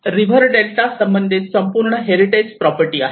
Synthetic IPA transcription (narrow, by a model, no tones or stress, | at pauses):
ɾibʱəɾɖelʈasəmbənd̪ʱit̪səmpuɾɳəɦeɾiʈed͡ʑpɾɔpəɾʈiːa̰ɦ